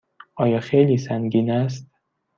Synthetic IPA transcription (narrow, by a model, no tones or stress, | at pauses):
ʔɒːjɒːxejliːsæŋɡiːnæs̬t̪